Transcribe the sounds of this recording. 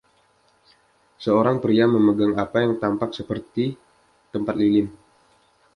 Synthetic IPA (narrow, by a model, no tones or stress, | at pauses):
səoɾaŋpɾiaməməɡaŋapajaŋt̪ampak̚səpərt̪i | t̪əmpat̪̚lilɪn